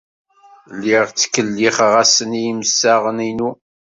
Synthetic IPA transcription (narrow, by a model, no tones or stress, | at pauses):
lːiʁt͡sːkːəlːiχʁæsənijiməsːaʁəninu